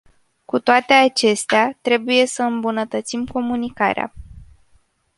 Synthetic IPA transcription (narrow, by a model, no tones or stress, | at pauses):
kut̪oat̪e̞at͡ʃe̞st̪eat̪ɾe̞buje̞səɨmbunət̪ət̪simko̞munika̰ɾea̰